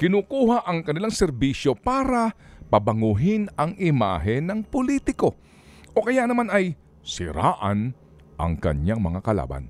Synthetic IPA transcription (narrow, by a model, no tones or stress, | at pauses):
kɪnuːkuːhaʔɐŋkɐnɪlaŋsɛɾbiʃo̞paːɾɐpɐbɐŋuɦɪnɐŋʔɪma̰ːɦɛnɐŋpolit̪ɪko̞ | ʔo̞kɐjanɐmanɐj | sɪɾa̰ːʔɐn | ʔɐ̰ŋkɐ̰ɲaŋmɐŋakɐla̰ːba̰n